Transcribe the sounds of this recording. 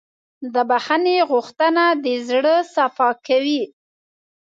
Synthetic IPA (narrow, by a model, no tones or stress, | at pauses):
d̪əbaxaneɣuxt̪ənad̪əzɽəsafɑkawi